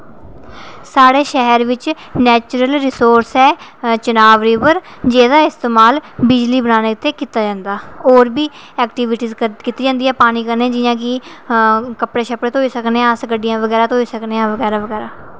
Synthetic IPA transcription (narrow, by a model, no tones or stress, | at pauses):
saːɽeːʃɛɦəɾʋɪt͡ʃ | nɛːt͡ʃɾəlɾɪsoːɾsɛːt͡ʃənaːʋɾiːʋəɾd͡ʒeːd̪aːɪst̪eːmaːlbɪd͡ʒliːbənaːneːɪt̪eːkit̪aːd͡ʒãːnd̪aːoːɾbiː | ɛːkʈiːʋɪʈiːzkiːt̪iːd͡ʒãːnd̪iːɛːpaːniːkəɾneɛːd͡ʒɪjãːkɪ | kəpɽeːʃəpɽeːt̪oːiːsəkneːsɡəɖɪjãːʋəɡɛːɾaːt̪oːiːsəkneːãːʋəɡɛːɾaːʋəɡɛːɾaː